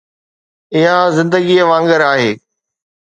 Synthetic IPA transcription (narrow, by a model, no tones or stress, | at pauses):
ɪɦazɪ̃nd̪əɡiʋãːŋɡəɾaːɦeː